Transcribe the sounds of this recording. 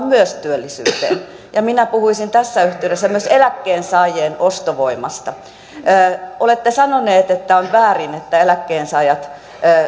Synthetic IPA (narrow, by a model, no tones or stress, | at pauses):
mmyøst̪yølːisy̰ːt̪ḛːn | jɑminæpuhuisint̪æsːæyht̪eyɾesːæmyøselækːeːnsɑːjeːnost̪oʋoimɑst̪ɑː | ʔolet̪ːesɑnoneːt̪et̪ːæonʋæːrinet̪ːæelækːeːnsɑːjɑt̪ː